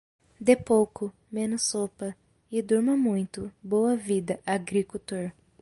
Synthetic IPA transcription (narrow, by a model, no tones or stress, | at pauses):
d̪epowkʊ | mẽnʊsːopɐ | ɪd̪uɾmɐmũj̃t̪ʊbowɐvid̪ɐʔaɡɾikut̪oɾ